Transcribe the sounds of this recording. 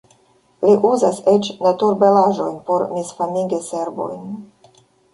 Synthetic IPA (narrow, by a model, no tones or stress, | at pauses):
liʔuzaset͡ʃnatuɾbe̞laʒo̞jnpo̞ɾmisfamiɡese̞ɾbo̞̰jn